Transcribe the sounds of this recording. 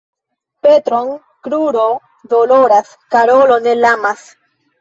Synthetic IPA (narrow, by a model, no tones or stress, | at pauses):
pe̞t̪ɾoŋ | kɾuɾo̞ | doloɾas | kaɾo̞lo̞nelamas